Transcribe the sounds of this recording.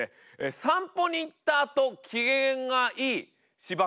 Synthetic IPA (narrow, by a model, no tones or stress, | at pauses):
e | esãmpo̞ɲ̟iːt̪ːaːt̪o̞kʲʰiɡẽŋɡaʔiː | ɕiba